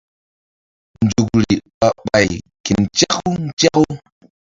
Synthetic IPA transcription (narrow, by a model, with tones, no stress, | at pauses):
n˨d͡ʒu˨kɾi˨ɓa˨ɓa˨j | ki˨nt͡ʃa˦ku˦n̩˦t͡ʃa˦ku˦